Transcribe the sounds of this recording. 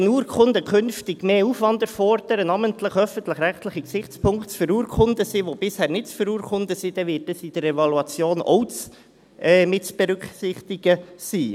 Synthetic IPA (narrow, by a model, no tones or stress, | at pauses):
ənuːəɾkʰʊnd̪əkʰʏnftɪɡ̥meːufʋɑnd̪əɾfɔrd̥əɾənɑməntləχœfən̩tləχɾæχtləχiksɪχt͡spʰʊŋktt͡sfəɾuːɾkʰʊnd̪əsiʋob̥ɪshæːɾnɪtt͡sfəɾuːɾkχʊnd̪əsid̥̪ɛʋɪːt̚dəsid̥̪əɾɛvɑluɑt͡sjoːnɔ̰ws | ɛːmɪtt͡sb̥ɛɾʏksɪχt̪iɡ̥əsiː